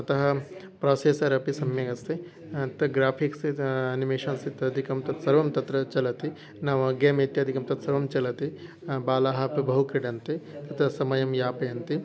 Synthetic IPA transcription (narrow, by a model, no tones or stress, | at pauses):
ɐt̪ɐɦɐ | pɾaːseːsɐɾɐpisɐmjɐɡɐst̪i | t̪ɐɡɾaːpʰiksiɐnimeːʃɐnsit̪ɐɐd̪ʱikɐmt̪ɐt̪sɐɾʋɐmt̪ɐt̪ɾɐt͡ʃɐlɐt̪i | naːʋɐɡeːmeːt̪jɐd̪ʱikɐmt̪ɐt̪sɐɾʋɐmt͡ʃɐlɐt̪i | baːlaːɦɐpibɐɦukɾiɽɐnt̪it̪ɐt̪ɐsɐmɐjɐmjaːpɐjɐnt̪i